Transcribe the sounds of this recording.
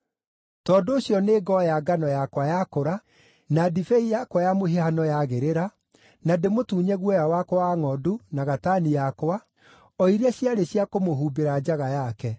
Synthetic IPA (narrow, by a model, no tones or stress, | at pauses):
tɔːdoːɕjɔneːɡɔjaɡanɔjakwajakoɾa | nadifɛijakwajamoɦehanɔjaɣeɾeɾa | nademotuːɲɛɣwɔjawakwaŋɔdunaɣatanijakwa | ɔiɾɛɕjaɾeɕjakomoɦuːbeɾad͡ʒaɣajakɛ